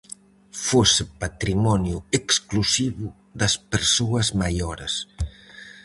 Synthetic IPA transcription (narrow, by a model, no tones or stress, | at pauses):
fosepat̪ɾimɔnjueksklusiβu | ðɐspeɾsoɐzmajoɾes